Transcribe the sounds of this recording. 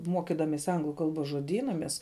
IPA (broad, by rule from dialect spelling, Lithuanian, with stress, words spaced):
ˈmuɔkʲɪdɐmʲɛsʲɪ ˈɐŋɡlˠʊ ˈkɐlˠboːs ʒuɔˈdʲiːnɐ ˈmʲɛs